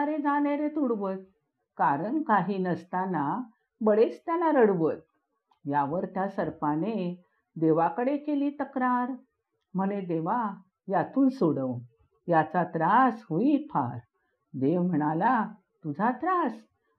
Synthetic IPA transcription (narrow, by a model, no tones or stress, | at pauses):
ɾed͡zaleɾet̪uɽʋət̪̚ | kaɾəɳkaɦiːnəst̪ana | bəɽet͡st̪janaɾəɽʋət̪̚ | jaʋəɾt̪jasəɾpane | d̪eʋakəɽekeliːt̪əkɾaɾ | m̤əɽed̪eʋa | jat̪uːnsoɽəʋ | jat͡sat̪ɾasɦuipʰa̰ɾ | d̪eʋm̤əɽ̃ala | t̪ud͡zʱat̪ɾas